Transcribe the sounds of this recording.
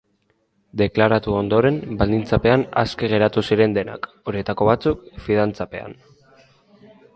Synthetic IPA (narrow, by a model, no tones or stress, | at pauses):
d̪e̞klaɾat̪uo̞nd̪o̞ɾe̞nbald̪int͡sape̞ana̰ske̞ɣ̞e̞ɾat̪usiɾe̞nd̪e̞na̰k | o̞ɾie̞t̪ako̞βat͡sukfið̞ant͡sape̞̰a̰n